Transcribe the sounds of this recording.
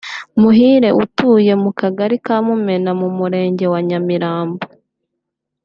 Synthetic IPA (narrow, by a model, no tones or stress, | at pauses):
muɦiːɾe̞ʔutuːje̞mukaɡaɾikaːmume̞namumuɾe̞ːɲɟe̞waɲamiɾaːmbo